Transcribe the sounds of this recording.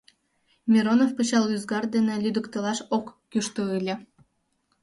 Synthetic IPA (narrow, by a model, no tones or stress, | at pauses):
mʲiɾonofpɯɕɑlˠyzɡɑr̚d̪enĕlʲyd̪ə̆kt̪ɤlɑʃokːyʃt̪oɯlʲĕ